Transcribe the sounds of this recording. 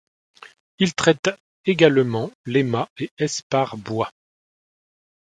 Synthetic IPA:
ilt̪χɛt̪ | eɡalmɑ̃lemaeɛspaʁbwa

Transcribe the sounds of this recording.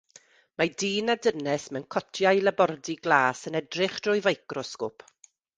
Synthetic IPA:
madiːnadənɛsmɛwnkʰɔtʰjajlˠabɔrdiɡlˠaːsənɛdrɪχd̥rʊjvajkrɔskʊpʰ

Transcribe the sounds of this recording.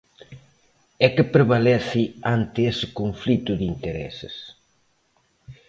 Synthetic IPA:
ɛkɪpɾeβalɛθɪant̪ɪesɪkoɱflit̪ʊðint̪eɾɛ̰sɪ̰s

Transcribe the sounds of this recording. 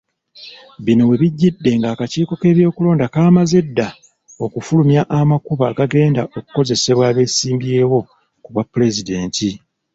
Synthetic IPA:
βino̞we̞βiɟːidːe̞ŋɡaːkaciːko̞ke̞ːβjo̞ːkulo̞ːndakaːmazedːa | o̞kufulumjaʔːmakuβaɡaɡe̞ːndaʔo̞ku̥ko̞ze̞se̞βwaːβe̞ːsiːmbje̞ːwo̞ | kuβwapːule̞zide̞ːnti

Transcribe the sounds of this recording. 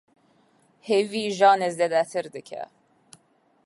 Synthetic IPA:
heviːʒɑːnezd̪ɛd̪æt̪ʰɨɾd̪ɨkʰɛ̰

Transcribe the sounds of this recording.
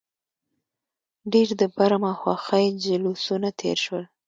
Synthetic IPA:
ɖeɾd̪əbaɾamaxwaxəjd͡ʒalusunat̪ʰḛɾʃwəl

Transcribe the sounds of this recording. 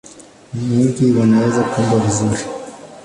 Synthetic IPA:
miŋɡiwanawɛzakuumbwavizuɾi

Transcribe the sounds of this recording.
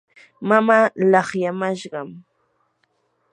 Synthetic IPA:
mamaːlɑχjamaʃɢɑm

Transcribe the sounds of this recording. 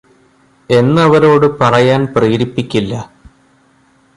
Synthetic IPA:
e̞nːɐʋɐɾo̞ːɽɨpɐrɐjaːnpriːɾipːikʲːilːɐ

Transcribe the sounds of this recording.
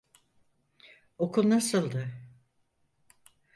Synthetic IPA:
okʰulˠnasɯlˠd̪ɯ

